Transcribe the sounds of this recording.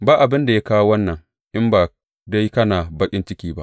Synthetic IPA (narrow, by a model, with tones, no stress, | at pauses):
baː˦ʔa˨bɪ˦nda˨ja˦kaː˦wo˦wɐ˦nːɐ˨ŋ | ʔɪ˦mbaː˨ | da˦jkɐ˦naː˨bɐ˦kʲʼɪ˦nt͡ʃɪ˦kʲiː˦ba̰˦ʔ